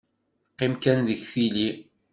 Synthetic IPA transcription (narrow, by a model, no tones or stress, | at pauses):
qːɪmkænðəçθili